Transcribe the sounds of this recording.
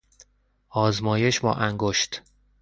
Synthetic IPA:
ɒːzmɒːje̞ʃbɒ̰ːʔæŋɡoʃt̪

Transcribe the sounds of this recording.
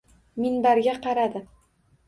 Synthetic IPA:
mɪnbaɾɡʲaqʰɑɾad̪ɪ

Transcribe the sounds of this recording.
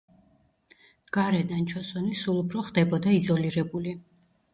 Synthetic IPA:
ɡ̥aɾɛd̪ant͡ʃʰɔsɔnisulˠupʰɾɔχd̪ɛbɔd̪aizɔliɾɛbuli

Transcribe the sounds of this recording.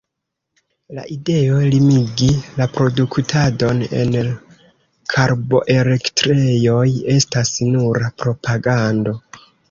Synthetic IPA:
la̰ʔide̞o̞limiɡilapɾo̞duktʰado̞ne̞̰n | kʰaɾbo̞̰ʔe̞le̞ktɾe̞jo̞je̞stasnuɾapɾo̞pʰaɡando̞

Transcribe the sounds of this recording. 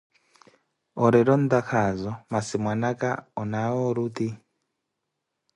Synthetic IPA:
ɔɾɛɾɔnd̪akʰazɔmasimwanaka̰ɔnawɔɾuti

